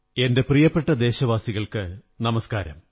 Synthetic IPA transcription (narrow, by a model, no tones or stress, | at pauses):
e̞nde̞prijɐpːe̞ʈːɐd̪e̞ːɕɐʋaːsiɣɐɭkɨ | nɐmɐskaːɾɐ̰m